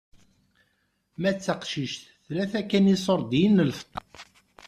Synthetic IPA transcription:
mæt͡sːaqʃiʃθ | θlæθækːænisˤoɾˤd̪jinːəlft̪ˤːɑ

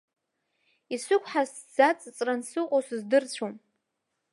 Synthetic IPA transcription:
isɨkʷʰʼħas | d͡zat͡sʼt͡sʼransɨqʼosɨzdɨrt͡ɕʷʰom

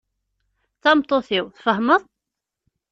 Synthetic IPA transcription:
θɑmt̪ˤːoθiwθfəhməðˤ

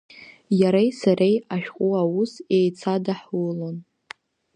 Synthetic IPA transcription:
jaɾejsaɾejaʃᶣqʼuawusejt͡sʰadaħlon

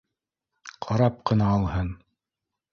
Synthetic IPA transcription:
qʰɑɾɑp̚qɤ̆nɑːlˠhɤn

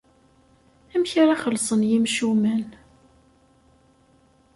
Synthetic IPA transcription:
æmçɾaχəlsˤənjimʃumæn

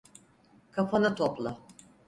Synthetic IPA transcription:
kʰapʰanɯt̪ʰoplˠa

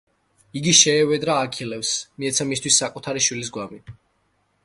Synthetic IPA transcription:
iɡiʃɛːvɛd̪ɾaːkʰilɛpsmiɛt̪sʰamist̪ʰwisːakʼut̪ʰaɾiʃwilis̬ɡwami

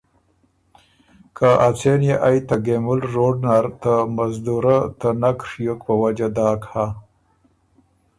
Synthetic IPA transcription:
kʰaʔat͡senjeʔajt̪aɡemʊlɾoɖnaɾt̪amazd̪uɾat̪ənakʂjokpəwad͡ʒad̪aːkha

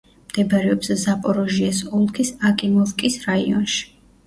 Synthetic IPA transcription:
md̪̥ɛbɾɛɔpszapʼɔɾɔʒiasɔlˠkʰisakʼimɔlˠkʼisɾaḭɔ̰nʃi̥

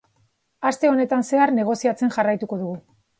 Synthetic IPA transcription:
ast̪e̞o̞ne̞t̪anse̞arne̞ɣ̞o̞siat͡se̞nʝarajt̪uko̞ð̞uɣu

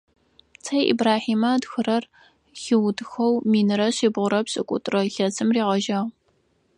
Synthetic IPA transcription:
t͡sʰɐjʔḭbraːħiːmɐdxɨrɐr | xɪwdxɐwmiːnɨɾɐɕiːbʁʷʊɾɐpɕʼɨkʷʼʊ̰tʼrɐɬɐzɨmriːʁɐʒɐʁ

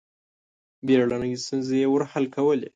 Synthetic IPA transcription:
beɽanəɡist̪unzejewəɾhalkawəlḛ

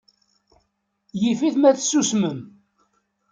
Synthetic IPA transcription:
jifiθmæθsːusməm

